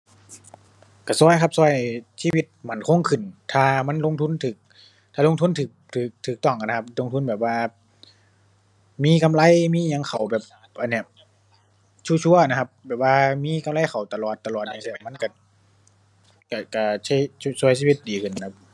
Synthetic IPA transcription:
ka˧˩sɔː˧˥˩jkʰa˧˥p̚sɔː˧˩˨jsiː˧wi˧˥t̪̚ma˨˦nkʰo˧˥˨ŋkʰɯ˨˩nt̪ʰaː˧ma˧˥˨nlo˧˥˨ŋt̪ʰu˧˥˨nt̪ʰɯː˨˩k̚ | t̪ʰaː˧lo˧˥ŋt̪ʰu˧˥˨nt̪ʰɯː˨˩k̚t̪ʰɯː˨˩k̚t̪ʰɯː˨˩k̚t̪ɔː˧˩ŋka˨na˧a˧p̚lo˧˨ŋt̪ʰu˧˥nbɛː˨˩p̚waː˧ | miː˧˥˨ka˧˨mla˧˥˨jmiː˧˥˨ɲa˧˨ŋkʰa˨˩wbɛː˨˩p̚ | ʔa˨nːi˧˩ɐ˨ | t͡ɕʰuː˧˥˨t͡ɕʰu˧˨ɐ˨na˧kʰa˧p̚bɛː˨˩p̚waː˧miː˧˥˨ka˧˨mla˧˩˨jxa˨˩wt̪a˧˨lɔː˨˩t̪ːa˧lɔː˨˩t̪̚ɲaː˧˨sʰma˧˥˨nka˧˩ | ka˧˩ka˧˩t͡ɕʰi˧su˧˨js̬iː˧˨wi˧t̪̚diː˨˩kʰɯ˨˩nʰ˧a˧˥p̚

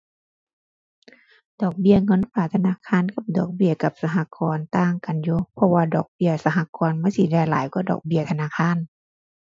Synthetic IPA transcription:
dɔː˨˩k̚bi˧˨əŋɤ˧˥˨nfaː˧˩t̪ʰa˧naː˧˥˨kʰaː˧˥˨nka˧˦p̚dɔː˨˩k̚bi˧˩əka˧˦p̚sa˧ɦa˧˨kɔː˧˦nt̪aː˧˨ŋka˨njuː˧˦pʰɔ˧waː˧dɔː˨˩k̚bi˧˥˨əsa˧ɦa˧˥kɔː˧˦nma˧˥˨si˧˩da˧˩˨la̰ː˨˦jku˧˩˦dɔ̰ː˨˩k̚bi˧ət̪ʰa˧naː˧˨kʰaː˧˥˨n

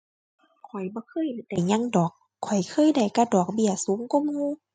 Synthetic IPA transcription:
kʰɔ˨˩jbɔː˧˦kʰɤː˧˨jda˨˩jɲa˧˥˨ŋdɔː˨˩kʰːɔ˨˩jkʰɤː˧˥˨jda˨˩jka˧˩dɔː˨˩k̚bi˧˩əsuː˨˦ŋkɔ˧˨mŋuː˧˨

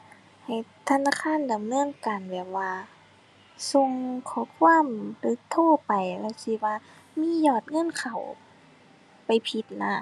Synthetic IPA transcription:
ha˨˩jt̪ʰa˧˨naː˧˨kʰaː˧˥˨nda˨mnɯ˧˥əŋka˨˩nbɛː˨˩p̚waː˧ | so˧ŋkʰɔː˧˩˦kʰuː˧˥ə˨md̪ɯ˧˦k̚t̪ʰoː˧˥˨pa˨˩jlɛ˧˩si˧waː˧ | miː˧˥˨jɔː˧˩t̪̚ŋɤ˧˥˨nkʰa˨˩w | pa˨˩jpʰi˧˦t̪̚na˧˥

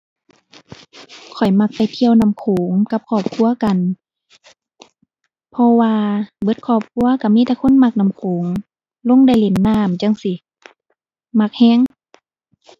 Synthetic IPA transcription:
kʰɔ˨˩jma˧k̚pa˨jt̪ʰi˧əwna˧˨mkʰoː˨˦ŋka˧˦p̚kʰɔː˧˩p̚kʰu˧˥˨ɐka˨n | pʰɔ˧waː˧bɤ˧˦t̪̚kʰɔː˧˩p̚kʰu˧˥˨ɐka˧˩miː˧˥˨ɛ˧˩kʰo˧˥˨nma˧k̚na˧˩˨mkʰoː˨˦ŋ | lo˧˥˨ŋda˧˩jle˨˧˩nːaː˧˥˨mt͡ɕa˧˨ŋsi˧˦ | ma˧˩k̚hɛː˧˥˨ŋ

